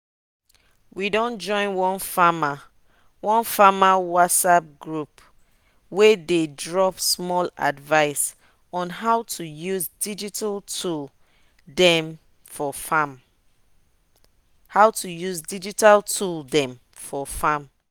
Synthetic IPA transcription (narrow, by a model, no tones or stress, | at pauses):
widɔ̃nd͡ʒɔ̃ɪ̃nwɔ̃nfama | wɔ̃nfamawɔtsap̚ɡɹup | wededɹɔpsmɔla̰dvaɪs | ɔ̃nɦaʊtʰujuzdid͡ʒitaltul | dɛm | fɔfam | hawtujuzdid͡ʒitaltʰuldɛ̃m | fɔfãm